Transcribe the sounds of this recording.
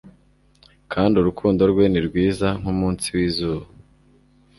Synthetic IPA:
kʰaːndiuɾukʰuːndo̞ɾɡweniɾɡwiːzaŋ̥humuːnsiwiːzuːβa

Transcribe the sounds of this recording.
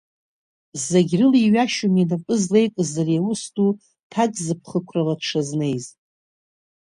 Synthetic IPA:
zaɡʲrɨliɥaʃuminapʼɨzle̞jkʼɨzarijawʊstʼu | tʰadzɨpʰχəkʷʰraladʂʰazne̞jz

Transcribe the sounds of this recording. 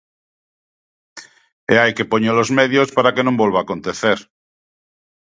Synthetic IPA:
eajke̞poɲolo̞zmeðjospaɾakenõmbwolβaːko̞nt̪eθeɾ

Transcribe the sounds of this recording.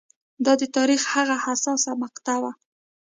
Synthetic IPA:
d̪ɑd̪ət̪ɑɾixhaɣahasɑsamaqt̪awa

